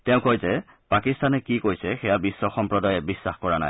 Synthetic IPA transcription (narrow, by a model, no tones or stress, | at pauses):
tɛʊ̃kojzɛ | pakistanɛkikojsɛxɛjabisːɔxɔmpɹɔdajɛbisːaxkɔɹana̰j